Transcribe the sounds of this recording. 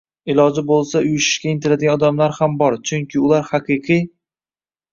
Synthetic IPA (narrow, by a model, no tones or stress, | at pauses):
ɪlɒd͡ʒɪbolˠsaʊjɪʃɪ̥ʃkʲaɪnt̪ɪɾad̪ɪɡʲanɒd̪amlaɾhambɒɾt͡ʃʰʊŋkʲɪʊlaɾhaqʰɨqʰɨj